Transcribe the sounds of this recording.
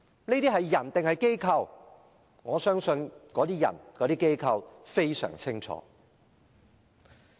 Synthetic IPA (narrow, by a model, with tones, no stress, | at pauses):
ne˥t̪iː˥ɦɐ˨jːɐ˨˩nt̪ɪ˨ŋhɐ˨jke˥jkʰɐ˧w | ŋɔː˨˧sœː˥ŋsɵ˧nkɔː˨˧˥t̪iː˥jɐ̰˨˩nkɔː˨˧˥t̪iː˥ke˥jkʰɐ˧wfe˥jsœ̰ː˨˩ŋt͡sʰɪ˥ŋt͡sʰɔ̰ː˨˥